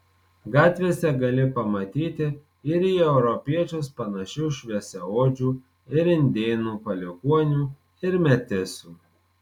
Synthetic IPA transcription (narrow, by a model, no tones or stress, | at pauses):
ɡɑːt̪ʲʋʲiɛsʲɛɡɐlʲɪpɐmɐt̪ʲiːt̪ʲɪ | ɪɾiːɛʊɾɔpʲiɛt͡ʃʲospɐnɐʃʲuʃʲʋʲiɛsʲɛoːd͡ʒʲuː | ɪɾɪnʲd̪ʲeːnuːpɐlʲɪkuɔnʲuː | ɪɾmʲɛt̪ʲɪsʲuː